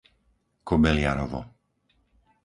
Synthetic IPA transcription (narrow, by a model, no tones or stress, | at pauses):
kɔbɛlɪaɾɔʋɔ̰